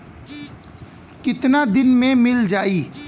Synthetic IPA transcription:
kɪt̪nad̪ɪnmẽmɪld͡ʒaːiː

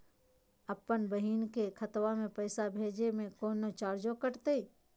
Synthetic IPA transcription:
ɐpːənbəɦiːnkekʰɐt̪wamẽpɛːsabʱeːd͡ʒemẽkoːnot͡ʃaːɾd͡ʒõkəʈt̪e

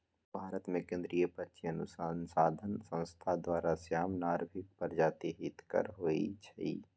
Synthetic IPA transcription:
bʱaːɾət̪mẽkẽːnd̪ɾijəpətːʃʰiənʊ̰saːnsaːd̪ʱənsə̃w̃st̪ʰad̪waːɾasjaːmnaːɾbʱɪk̚pɐɾd͡ʒaːt̪eɦɪt̪kə̰ɾɦoːḭt͡ʃʰɐḭ

